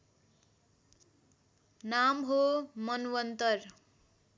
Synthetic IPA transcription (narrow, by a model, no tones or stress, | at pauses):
namɦomʌnwʌnt̪ʌr